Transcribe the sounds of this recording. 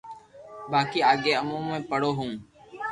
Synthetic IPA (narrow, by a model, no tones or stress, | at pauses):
baːkiːaːɠeːəmũːmmẽːpəɽoːɦũː